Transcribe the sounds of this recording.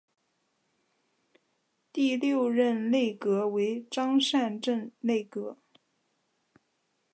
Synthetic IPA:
t̪i˥˧ljo˥˧ʊɻə˥˧nle˥˩ɪkɤ˧˥we˧˥ɪʈ͡ʂɑ˥ŋʂa˥˧nʈ͡ʂə˥˧nle˥˩ɪkɤ˧˥

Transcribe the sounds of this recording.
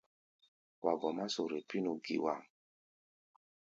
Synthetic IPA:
wa˨ɡɔ˨ma˦so˨ɾe˨pi˦nu˨ɡḭ˨wa̰˨ŋ

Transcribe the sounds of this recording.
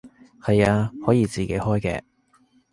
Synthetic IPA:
hɐ˨jaː˧hɔː˨˥jiː˨˧t͡siː˨ke˨˥jhɔː˥jkɛ̰ː˧

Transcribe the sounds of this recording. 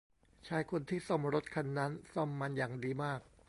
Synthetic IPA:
t͡ɕʰaː˧jkʰo˧nt̪ʰiː˥˩sɔ˥˩mɾo˦˥t̪̚kʰa˧nːa˦˥nsɔ˥˩mːa˧njaː˨˩ŋdiː˧maː˥˩k̚

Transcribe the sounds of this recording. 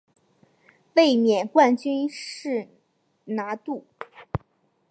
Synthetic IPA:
we˥˩ɪmjɛ˨˩nkwa˥˩nt͡ɕy˥nʂɻ̩˥˩ | na˧˥t̪u˥˩

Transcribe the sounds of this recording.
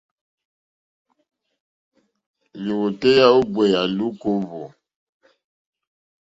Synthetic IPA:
li˨wo˨te˦ja˦o˦ɡ͡be˨ja˨lu˦ko˦vo˨

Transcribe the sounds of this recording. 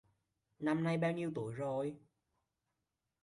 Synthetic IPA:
na˧mna˧jɓaː˧wɲi˧əwt̪u˧˩˨əjzo˨˩j

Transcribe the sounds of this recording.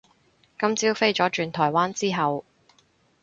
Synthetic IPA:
kɐ˥mt͡siː˥wfe˥jt͡ʃɔː˨˥t͡ʃyː˧nt̪ʰɔː˨˩jwaː˥nt͡siː˥ɦɐ˨w

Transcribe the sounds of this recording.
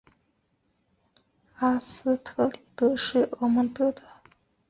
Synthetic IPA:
a˥˩s̩˥t̪ʰɤ˥li˨˩t̪ɤ˥ʂɻ̩˥˩o˧mə˧˥nt̪ɤ˥˩d̪ə˨

